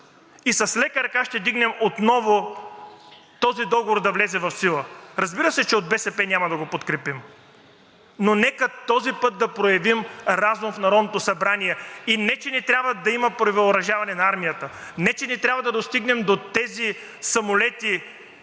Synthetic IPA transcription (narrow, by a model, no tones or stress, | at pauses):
isɐslɛkəɾɐkaʃt̪ɛd̪iɡnɛmot̪nɔvo | t̪ɔzid̪ɔɡovoɾd̪ɐvlɛzɛvɐfsilˠəɾɐzbiɾəsɛt͡ʃɛod̪̚bɛsɛpɛnʲamɐd̪ɐɡopot̪kɾɛpim | nonɛkət̪ɔzipɤt̪̚d̪ɐpɾojɐvimɾazumfnɐɾɔd̪not̪osɐbɾaniɛinɛt͡ʃɛnɛt̪ɾʲjabvɐd̪ɐimɐpɾovilˠoɾɐʒavɐnɛnɐaɾmijət̪ənɛt͡ʃɛnɛt̪ɾʲabvɐd̪ɐd̪ost̪iɡnɛmd̪ot̪ɛzi | sɐmolɛt̪i